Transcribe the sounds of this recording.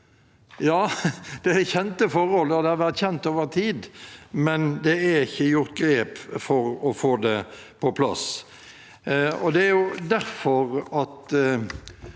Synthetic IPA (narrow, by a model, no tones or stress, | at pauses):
jɑːd̪̥ɛæçɛnt̪əfɔʁhɔlːəd̪ɛhɑɾʋæɾt̪çɛnt̪oːʋəʁt̪ʰiːd̪mɛnd̪ɛæɾɪçːəjʊɾt̪ɡɾeːpfɔɾɔfoːd̪ɛ | pʰɔpʰlɑ̰s | ɔd̪ɛæɾjʊd̪æɾfɔʁɑt̪